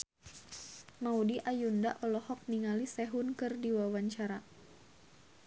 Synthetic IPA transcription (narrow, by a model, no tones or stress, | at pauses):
maudiʔajundaʔɔlɔhɔk̚niŋalisɛɦunkɨrdiwawaɲt͡ʃaɾa